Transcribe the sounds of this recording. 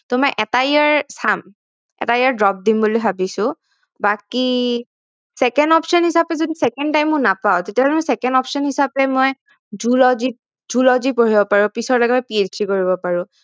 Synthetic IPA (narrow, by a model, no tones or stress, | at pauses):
tɔmaʔɛtajaɹsam | ɛ̰tajaɹdɹɔp̚dimbuloɦabisʊ̃ | baki | sɛkɛndɔpsɔnhisapɛzodisɛkɛntajmːʊnapaʊtetiaɦɔlɛmɔjsɛkɛndɔpsɔnhisapɛmoj | zulɔzi | d͡ʒulɔzipoɹibɔpaɹʊ̃pisɔɹlɔɡɛtɛpied͡ʒdikoɹibɔpaɹʊ̃